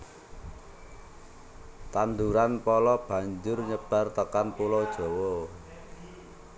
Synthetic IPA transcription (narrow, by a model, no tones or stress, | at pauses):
t̪and̪uɾanpɔlɔb̥a̤ɲd͡ʒʊrɲəb̥a̤rt̪əkanpulɔd̥ʒ̥ɔ̤wɔ